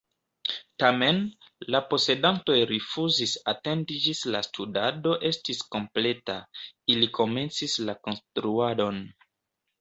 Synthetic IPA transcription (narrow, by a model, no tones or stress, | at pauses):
tame̞n | lapo̞se̞danto̞jɾifuzisate̞ndid͡ʒislastʰudado̞ʔe̞stisko̞mple̞tailikʰo̞me̞nt͡sislako̞nstɾuado̞n